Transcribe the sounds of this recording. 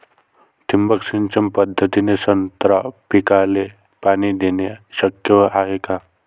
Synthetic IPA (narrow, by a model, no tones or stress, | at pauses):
t̪imbəksɪnt͡ʃɐmpɐd̪ʱːət̪inesənt̪ɾapɪkaːle | paːnid̪eːneʃəkjəaːɦekaː